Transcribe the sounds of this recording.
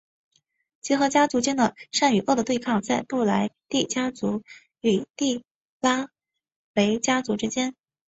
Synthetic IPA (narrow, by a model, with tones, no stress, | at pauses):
t͡ɕjɛ˧˥xɤ˧˥t͡ɕja˥t͡su˧˥t͡ɕjɛ˥nd̪ə˨ʂa˥˩ny˨˩ʔɤ˥˩d̪ə˩t̪we˥˧ɪkʰɑ˥˧ŋt͡sa˥˧ɪpu˥˩la˧˥ɪt̪i˥˩t͡ɕja˥t͡su˧˥ | y˨˩t̪i˥˩ | la˥ | we˧˥ɪt͡ɕja˥t͡su˧˥ʈ͡ʂɻ̩˥t͡ɕjɛ˥n